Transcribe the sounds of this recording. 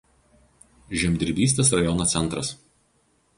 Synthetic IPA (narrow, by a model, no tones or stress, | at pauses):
ʒʲɛmʲd̪ʲɪɾʲbʲiːsʲt̪ʲeːsɾɐjɔnoːsʲɛnˑt̪ɾɐs